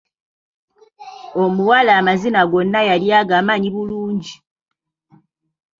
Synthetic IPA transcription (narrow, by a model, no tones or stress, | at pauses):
omuwalaːmazinaɡonːajaljaɡaːmaːɲiβuluːɲɟi